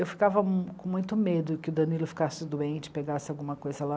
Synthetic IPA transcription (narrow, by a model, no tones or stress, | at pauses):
ewfi̥kavɐkõmũj̃t̪ʊmed̪ʊkɪʊd̪ɐnilʊfi̥kasɪd̪uẽnt͡ʃɪ̥peɡasɪawɡũmɐkojzɐla